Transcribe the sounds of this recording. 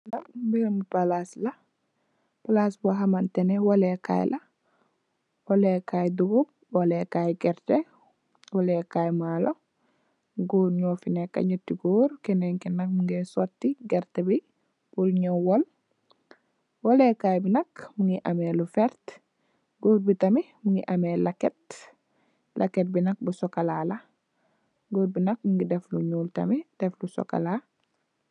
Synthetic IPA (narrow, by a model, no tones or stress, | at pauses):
dɐmbiɾmupalaslɐ | palasbuɦamantɛnɛwolɛka̰jlʔɐ | wɐlɛkajduɡub̚ | wɔlɛkajɡɛɾte | wɔlɛkajmaːlʔo | ɡoːɲɔfinɛkːɐ̰ɲutːiɡoɾkɛnɛŋkinɐk̚muŋɡɛsɔtːiɡɛɾtebi | b̥ulɲɔwɔl | wɔlɛkajbinɐkmuŋɡiʔɐmelufɛɾt | ɡoːɾ̚bitɐmi | muŋɡiʔɐmelaket | lʔaket̚binɐk̚busɔkalaːlɐ | ɡoːɾ̚binɐk̚muŋɡidɛfluɲuːltɐ̰mid̥ɛflusɔ̰ka̰la